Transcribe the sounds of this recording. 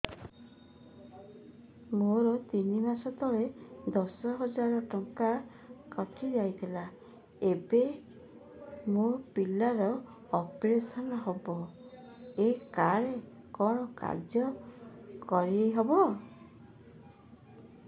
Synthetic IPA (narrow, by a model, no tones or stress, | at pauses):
moɾɔt̪inimasɔt̪ɔɭed̪ɔsɔɦɔd͡ʒaɾɔʈɔŋka | kɔt̪ʰid͡ʒajt̪ʰila | ebe | mopilaɾɔː | pɾesɔnɔɦɔbɔ | ekaɾe | kɔɽ̃ɔka̰ɾd͡ʒjɔ | kɔɾiejɦobɔ